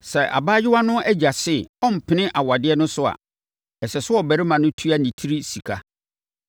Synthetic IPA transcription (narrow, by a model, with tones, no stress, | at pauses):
sɛ˨ʔa̰˨baː˦jɪ˦wa˦nʊ̃˦ʔæ˦d͡ʑa˨sɪ˦˨ɔ˦m̩˨pʰɪ˨nɪ̃˦ʔa˨wa˨dɪ˦ɛ˦nʊ̃˦sʊ˦a̰˨ | ɛ˨sɛ˨sʊ˦ɔ˦˨bæ˨ɾɪ˦mã˨nʊ̃˦tʰu˦a˦nĩ˨tʰi˦ɾi˦si˨kʰa˦